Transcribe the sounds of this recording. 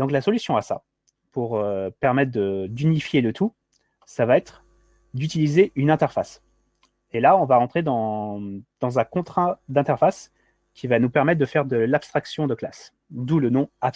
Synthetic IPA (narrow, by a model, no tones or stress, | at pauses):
d̪ɔ̃klasɔlysjɔ̃asa̰ | puʁøpɛʁmɛt̪χd̪əd̪ynifjelət̪ʰu | savaɛt̪χ | d̪yt̪ilizeʔynɛ̃t̪ɛʁfas | elaɔ̃vaʁɑ̃t̪χed̪ɑ̃ | d̪̥ɑ̃zɛ̃kɔ̃t̪χɛ̃d̪ɛ̃t̪ɛʁfas | kʲʰivanupɛʁmɛt̪̚d̪əfɛʁd̪əlapst̪χaksjɔ̃d̪əklas | d̪ulənɔ̃aps